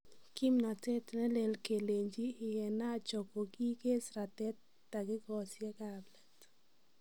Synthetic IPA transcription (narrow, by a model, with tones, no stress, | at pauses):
ki˦mnɔ˨tɛ˦tnɛ˦le˨lke˨le˨ɲd͡ʒiː˦˨jɛ˨na˦˨t͡ʃɔ˨ko˨ki˦ke˦sɾa˨tɛ˦tː | a˨kɪ˦kɔ˨sjɛ˦kablɛ˨t